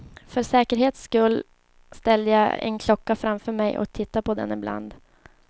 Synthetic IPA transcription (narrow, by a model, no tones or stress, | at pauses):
fœɾsɛːkəɾɦeːt̪skɵlː | st̪ɛlːəjaɛ̰nkʰlɔkːafɾamfœɾmɛjʔɔ̰k̚t̪ʰɪt̪ːapʰɔd̪ɛ̰nɪbla̰nd̪